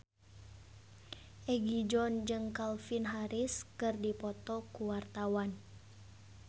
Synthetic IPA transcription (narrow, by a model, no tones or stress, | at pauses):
ʔɛɡid͡ʒɔnd͡ʒɨŋkalfinɦaɾiskɨrdipɔt̪ɔkuwart̪awan